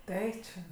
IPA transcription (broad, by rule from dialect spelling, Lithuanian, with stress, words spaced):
ˈtɐɪ t͡ʃʲɛ